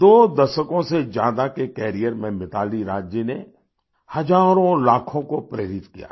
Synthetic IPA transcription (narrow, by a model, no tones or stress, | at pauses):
d̪oːd̪ɐʃəkõsed͡ʒjaːd̪akekɛːɾijəɾmẽmɪt̪aːliɾaːd͡ʒjine | hɐd͡ʒaːɾõlaːkʰõkopɾeːɾɪt̪kija̰ː